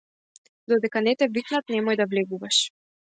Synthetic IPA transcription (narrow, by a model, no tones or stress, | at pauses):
d̪ɔd̪ɛkanɛt̪ɛviknat̪̚nɛmɔjd̪avlɛɡuvaʃ